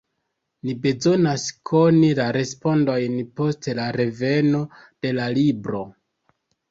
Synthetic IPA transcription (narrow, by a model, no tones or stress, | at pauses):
nibe̞zo̞naskʰo̞nilaɾe̞spo̞ndo̞jnpo̞stlaɾe̞ve̞no̞ | d̥e̞lalibɾo̞